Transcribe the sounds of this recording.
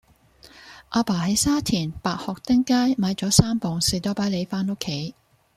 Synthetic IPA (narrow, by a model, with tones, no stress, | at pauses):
ʔaː˧paː˨˩hɐ˨˥jsaː˥t̪ʰiː˨˩npaː˨k̚hɔː˨k̚t̪ɪ˥ŋkaː˥jmaː˨˧jt͡sɔː˨˥saː˥mpɔː˨ŋsiː˨˩t̪o˨˥paː˨˥jle˨˧jfaː˥no˥kʰːe˨˥j